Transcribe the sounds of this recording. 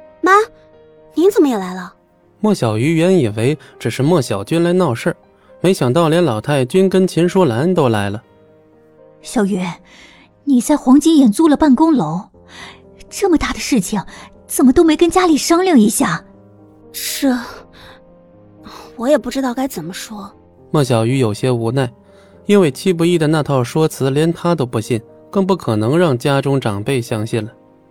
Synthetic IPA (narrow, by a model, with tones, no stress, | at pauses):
ma˥ | ni˧˥ŋt͡sə˨˩nmə˧jɛ˨˩la˧˥ɪlə˧ | mwɔ˥˩ɕjɑ˨˩ʊy˧˥ɥɛ˧˥ni˨˩nwe˧˥ɪʈ͡ʂɻ̩˨˩ʂɻ̩˥˧mwɔ˥˩ɕjɑ˨˩ʊt͡ɕy˥nla˧˥ɪnɑ˥˧ʊʂə˥˩ | me˧˥ɪɕjɑ˨˩ŋt̪ɑ˥˩ʊljɛ˧˥nlɑ˨˩ʊt̪ʰa˥˩ɪt͡ɕy˥nkə˥nt͡ɕʰjɛ˧˥nʂwɔ˥la˧˥nnt̪o˥ʊla˧˥ɪlə˧ | ɕjɑ˨˩ʊɥɛ˧˥ | ni˨˩t͡sa˥˩ɪxwɑ˧˥ŋt͡ɕi˥ŋjɛ˨˩nt͡su˥˩lə˨pa˥˩nkʊ˥ŋlo˧˥ʊ | ʈ͡ʂɤ˥˩mə˩t̪a˥˩d̪ə˩ʂɻ̩˥˩t͡ɕʰi˨˩ŋ | t͡sə˨˩mə˦t̪o˥ʊme˧˥ɪkə˥nt͡ɕja˥li˨˩ʂɑ˥ŋljɑ˥˩ŋi˧˥ɕja˥˩ | ʂɻ̩˥˩ | wɔ˧˥jɛ˨˩pu˥˩ʈ͡ʂɻ̩˥t̪ɑ˥˩ʊka˥ɪt͡sə˨˩nmə˦ʂwɔ˥ | mɔ˥˩ɕ̬jɑ˨˩ʊy˧˥jo˨˩ʊɕjɛ˥u˧˥na˥˩ɪ | i˥nwe˥˩ɪt͡ɕʰi˥p̬u˧˥i˥˩d̪ə˩na˥˧t̪ʰɑ˥˩ʊʂwɔ˥t͡sʰɹ̩˧˥ljɛ˧˥nt̪ʰa˥t̪o˥ʊpu˧˥ɕi˥˩n | kɤ˥˧ŋp̬u˥˩kʰɤ˨˩nɤ˧˥ŋɻɑ˥˩ŋt͡ɕja˥ʈ͡ʂʊ˥ŋʈ͡ʂɑ˨˩ŋpe˥˩ɪɕjɑ˥ŋɕi˥˩nlə˩